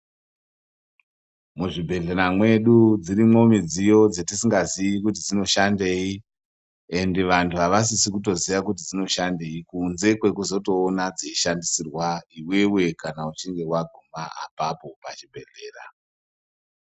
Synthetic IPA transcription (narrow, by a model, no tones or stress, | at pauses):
muʐibʱe̞ɮeɾamwe̞ɗud͡ziɾimwo̞mid͡zijo̞d͡zetisiŋɡaziikut̬id͡zino̞ʃande̞ːi | e̞ndeʋantʰuɦaʋas̬isikuto̞zijak̬utid͡zino̞ʃande̞ikunze̞kwe̞kuzo̞to̞ːnad͡ziiʃandisirwaiwe̞we̞kanaut͡ʃiŋɡe̞waɡʱumaa̰papo̞pat͡ʃibʱe̞ɮe̞ːra̰